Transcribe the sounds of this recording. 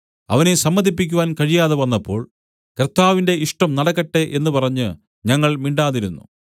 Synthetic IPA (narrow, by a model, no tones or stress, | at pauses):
ɐ̰ʋɐne̞sɐmːɐd̪ip̬ːikʲːuʋaːnkɐɻijaːðeʋɐnːɐpːo̞ːɭ | krt̪ːaːʋinde̞iʂʈɐmnɐɽɐkːɐʈːe̞ʔe̞nːɨpɐrɐɲːɨ | ɲɐŋːɐɭmiɳɖaːðiɾunːṵ